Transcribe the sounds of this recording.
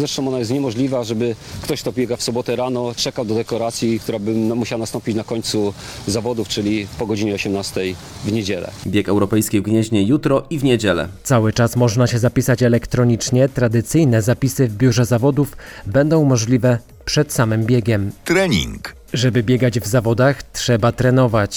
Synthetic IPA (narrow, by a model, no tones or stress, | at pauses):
zɾɛʂt̪ɔw̃ɔnajɛst̪ɲɛmɔʐlʲivaʐɛbɘkt̪ɔɕkt̪ɔbʲjɛɡafsɔbɔt̪ɛɾanɔt͡ʂɛkawd̪ɔd̪ɛkɔɾat̪sʲjikt̪uɾabɘmmuɕawanast̪ɔ̃mpʲit͡ɕnakɔɲt̪su | zavɔd̪uft͡ʂɘlʲipɔɡɔd͡ʑiɲɛɔɕɛmnast̪ɛj | vɲed͡ʑɛlɛ̰bʲjɛkɛwɾɔpɛjskʲivɡɲɛʑɲɛjut̪ɾɔʔivɲed͡ʑɛlɛ̰t̪sawɘt͡ʂasmɔʐnaɕɛzapʲisat͡ɕɛlɛkt̪ɾɔɲit͡ʂɲɛt̪ɾad̪ɘt̪sɘjnɛzapʲisɘvbʲjuʐɛzavɔd̪ufbɛnd̪ɔ̃w̃mɔʐlʲivɛ | pʂɛt̪samɘmbʲjɛɡʲɛmt̪ɾɛɲḭŋk | ʐɛbɘbʲjɛɡad͡ʑvzavɔd̪axt̪ʂɛbat̪ɾɛnɔvat͡ɕ